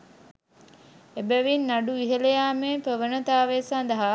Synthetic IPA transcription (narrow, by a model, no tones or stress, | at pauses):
ebæʋinːaɖuiɦələjaːmeːpəʋənət̪aːʋesand̪ɐɦa